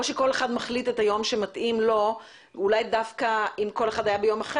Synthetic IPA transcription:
oʃeko̞le̞χadmaχlitetajo̞mʃematʔimlo̞ | ulajdafkaimko̞le̞χad̪ajabejo̞maχe

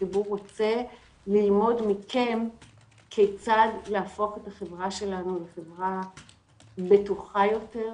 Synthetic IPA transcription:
ibuʁːot͡se̞ | lilmo̞dmikʰe̞m | kʰet͡sadleafo̞χetaχevʁaʃe̞lanuleχevʁa | betuχajo̞te̞ʁ

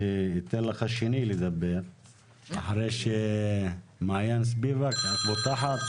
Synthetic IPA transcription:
it̪ːelːaxaʃinilid̪abːeɾ | ʔaħɾeʃe | maʕjans̬bivakat̪bot̪aħat̪

